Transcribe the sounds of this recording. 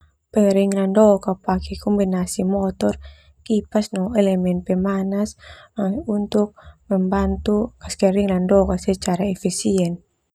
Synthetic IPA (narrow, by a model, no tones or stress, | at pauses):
pɛŋɾiŋlandɔkapakɛkɔmbinasimɔt̪ɔr | kipasnɔɛlɛmɛnpɛmanas | unt̪uk̚mɛmbant̪ukaskɛɾiŋlandɔkasɛt͡ʃaɾaɛfisiɛn